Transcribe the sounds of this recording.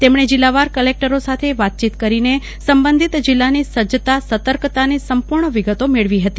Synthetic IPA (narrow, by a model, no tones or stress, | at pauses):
t̪emɳ̃ed͡ʒilːaʋaɾkəlek̚ʈəɾosat̪ʰeʋat̪̚t͡ʃit̪kəɾine | səmbənd̪ʱit̪d͡ʒilːanisəd͡ʒt̪asət̪əɾkt̪anisəmpuɾɳəʋiɡət̪omeɭʋiɦət̪i